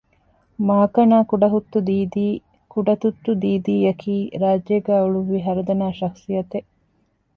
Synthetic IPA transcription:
maːkɐnaːkuɖɐɦut̪ːud̪iːd̪iː | kuɖɐt̪ut̪ːud̪iːd̪iːjɐkʰiːɾaːd͡ʒjɐɡæːuɭuiɦɐɾɐd̪ɐnaːʃɐksijɐt̪eʔ

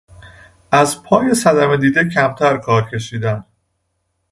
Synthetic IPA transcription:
ʔæzpʰɒːje̞sæd̪æmed̪iːd̪ecʰæmt̪ʰæɾkʰɒːɾcʰe̞ʃiːd̪æn

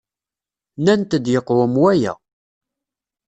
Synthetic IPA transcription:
nænt̪əd̪jəqːwəmwæjæ̰

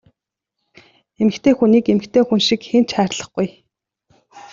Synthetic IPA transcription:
emɘ̆kt̪ʰeːxuniːkemɘ̆kt̪ʰeːxunʃĭkxent͡ɕχæːrɮə̆χɡ̥uj

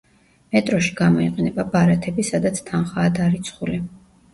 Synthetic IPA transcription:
mɛt̪ʼɾɔʃi̥ɡ̥amɔiqʼɛnɛbabaɾat̪ʰɛbisad̪at̪sʰt̪ʰanχaːd̪aɾit̪sʰχuli

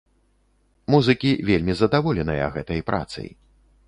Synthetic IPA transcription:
muzɨkʲivʲelʲmʲizɐd̪avɔlʲɛnɐjɐ̰ɣɛt̪ɐjpɾʔa̰t̪sɨ̰j

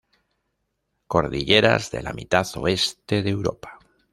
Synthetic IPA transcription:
ko̞ɾðiʎe̞ɾa̰zðe̞̰la̰mit̪aθo̞̰est̪e̞ðewɾopḁ

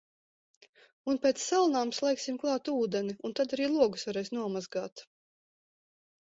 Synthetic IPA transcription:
unpʲɛt̪sːalˠnaːmslˠɛjksimklˠɑːt̪uːd̪ɛniunt̪ad̪aɾiːlˠuɔɡusvaɾɛjsnuɔmazɡaːt̪

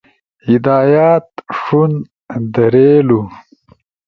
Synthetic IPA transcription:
hid̪aːjaːt̪ʂun | d̪ɐɾelu

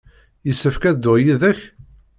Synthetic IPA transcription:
jəsːəfkæðd̪ʊʁjiðæç

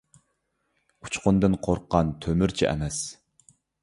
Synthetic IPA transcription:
u̥t͡ʃʰqʊnd̪ɨnqʰoɾqʰːɑnt̪ʰømyɾt͡ʃʰiʔɛ̰mɛs

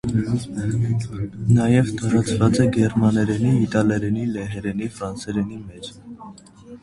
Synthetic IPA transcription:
nɑjɛvt̪ɑɾɑt͡sʰvɑt͡sɛɡɛɾmɑnɛɾɛniːt̪ɑlɛɾɛnilɛɦɛɾɛnifɾɑnsɛɾɛnimɛt͡ʃʰ

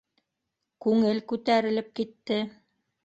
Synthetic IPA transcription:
kʉŋɘlkʉt̪æɾɘ̆lɘp̚kit̪ːɘ

